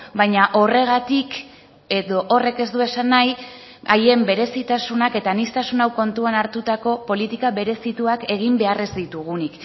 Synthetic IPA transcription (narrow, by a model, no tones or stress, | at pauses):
bajɲaʔo̞re̞ɣ̞at̪ik | e̞ðo̞ʔore̞ke̞zd̪ue̞sanːaj | aje̞mbe̞ɾe̞sit̪asunake̞t̪anist̪asunawko̞nt̪uanaɾt̪ut̪ako̞po̞lit̪ikaβe̞ɾe̞sit̪uake̞ɣ̞imbe̞are̞zd̪it̪uɣ̞unik